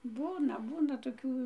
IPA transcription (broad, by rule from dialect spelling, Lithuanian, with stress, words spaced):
ˈbuːnɐ ˈbuːnɐ toːˈkʲuː